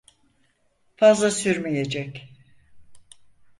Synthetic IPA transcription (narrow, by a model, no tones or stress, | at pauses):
fazlˠasyɾmejed͡ʒɛc